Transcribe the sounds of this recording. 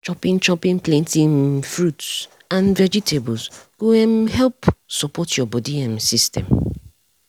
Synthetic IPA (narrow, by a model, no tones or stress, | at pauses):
t͡ʃɔpĩnt͡ʃɔpĩnpʰlɛ̃ntʰĩŋfɾuts | ãnvɛd͡ʒitʰebɔlsɡ̥oɛ̃mhɛlpsɔpʰɔtjɔbɔdiãmsistɛ̰̃m